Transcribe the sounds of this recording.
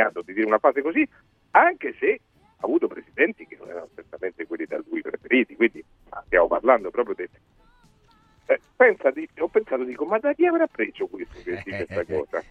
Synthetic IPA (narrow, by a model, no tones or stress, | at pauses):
aːt̪od̪id̪iːɾeunafaːzekozi | aŋkese | aːvuːt̪opɾesid̪ɛnt̪ik̟enːo̰nɛ̰ɾa̰not͡ʃert̪ament̪ekwelːid̪a̰lːujpɾḛfeɾiːt̪ikwind̪i | a̰st̪ja̰mopa̰rland̪opɾɔːpɾjod̪e | pɛnsad̪iɔpːensaːt̪od̪iːkomad̪akiaveːɾapːɾeːzokwest̪oked̪ikwest̪akɔ̰ːza